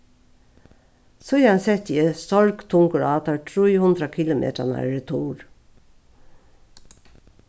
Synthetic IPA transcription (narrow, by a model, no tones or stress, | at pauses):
sɔiːɑnsɛt̪iəst̪ɔɹkt̪ʰʊŋkəɹɑːt̪ɑtʰɹiːhʊnd̪ɾɑkʰɪlʊmʔḛːt̪ənæ̰ːɹət̪ʰuːɹ